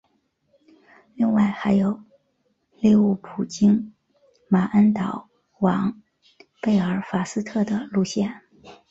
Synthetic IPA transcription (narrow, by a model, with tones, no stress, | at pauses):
li˥˧ŋwa˥˩ɪxa˧˥ɪjo˨˩˦ʊ | li˥˧u˥˩pʰu˨˩t͡ɕi˥ŋ | ma˨˩ʔə˥nt̪ɑ˨˩ʊ | wɑ˧˥ŋ | pe˥˩ɪə˞˨˥fa˨˩sɹ̩˥t̪ʰɤ˥˩d̪ə˩lu˥˧ɕjɛ˥˩n